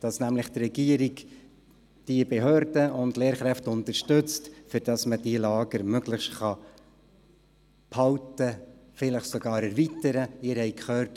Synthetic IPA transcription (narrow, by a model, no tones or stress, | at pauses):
d̥ɑsnæmləχt̪rɛɡ̥iəɾiɡ | d̥iəbeɦøːɾd̥əʊndleːɾχɾɛftʊnt̪əɾʃtɵt͡stfʏɾd̥ɑsməd̥ilɑːɡəɾmøɡləχʃtχɑ | pʰhɑwtəfɪləχsɔɡɑːɾæɾvitəɾəɪɾhɛɪkχøːɾt